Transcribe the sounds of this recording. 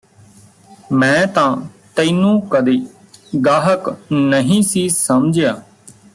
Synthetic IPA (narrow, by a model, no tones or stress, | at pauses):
mɛ̃ːt̪ãːt̪əiːnũːkəd̪eː | ɡaːɦəknəɦĩːsiːsəmd͡ʒjaː